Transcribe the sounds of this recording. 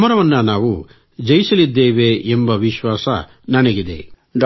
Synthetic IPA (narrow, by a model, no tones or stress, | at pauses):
mɐɾɐʋɐnːɐnaːʋu | d͡ʒɐjisɐlid̪ːeːʋeʔembɐʋiʃʋaːsɐ̰ | nɐnɐɡid̪ḛ | ɖ